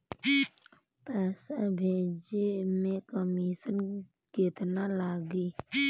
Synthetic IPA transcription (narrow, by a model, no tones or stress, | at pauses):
pɛːsabʱeːd͡ʒemẽkəmiːʃən | keːt̪nalaːɡiː